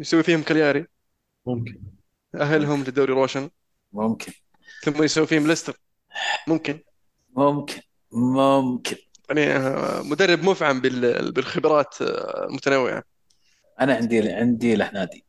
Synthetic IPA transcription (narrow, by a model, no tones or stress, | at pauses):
jsawːifiːhʊmkaljaːɾi | mʊmkɪn | ʔaɦalɦʊmlɪd̪ːaːɾiɾˤoːʃɪn | mʊmkʰɪn | θʊmːajsawːifiːhʊmlɪst̪ɑɾ | mʊmkɪn | mʊmkʰɪn | mʊmkʰɪn | jaʕnimʊd̪ɑrˤːɪbmʊfʕambɪlbɪlxɪbɾˤɑːt̪lmʊt̪anawːɪ̰ʕa̰ | ʔanaʕɪnd̪iʕɪnd̪ilʔaħnaːd̪i